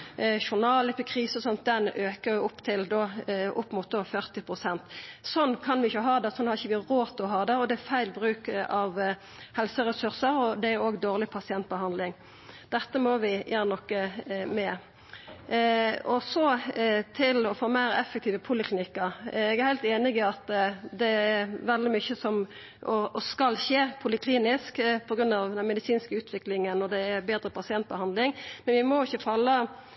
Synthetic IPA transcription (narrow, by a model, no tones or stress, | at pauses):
ʃʊʁnɑːlɛpɪkʰʁiːsəɔsɔnt̪̚d̪ɛnøːkəjʊʊpːt̪ʰɪld̪oːʔʊpːmʊt̪̚d̪oːfœʁt̪ɪpʰʁʊsɛnt̪sɔnːkʰɑnʋɪɪçəɦɑːd̪ɛsɔnhɑɾɪçəʋɪʁoːt̪ɔɦɑːd̪ɛɔd̪ɛæfæɪlbʁʉːkɑʋ | hɛlsəʁɛsʉʁsəɾɔd̪ɛæɾoːɡd̪oːʁlɪpʰɑsɪɛnt̪̚bəhɑnd̪lɪŋ | d̪̥ɛt̪ːəmɔʋɪjʔæːnənɔkːəmɛ | ɔsɔt̪ʰɪlɔfoːmæɪɾɛfɛk̚t̪ʰiːʋəpʰulɪklɪnɪkːəɾɛɡæhæɪt̪eːnɪɡɪɑt̪d̪ɛæɾʋɛld̪ɪmʏçəsɔm | ʔɔɔskɑlçeːpʰʊlɪkʰliːnɪskpʰɔɡɾʉnɑʋd̪ɛnmɛd̪ɪsiːnskəʉːt̪ʰʋɪklɪŋənːɔd̪ɛːbeːd̪ɾəpɑsɪɛnt̪̚bəhɑnd̪lɪŋmɛnʋɪmɔɪçːəfɑlːə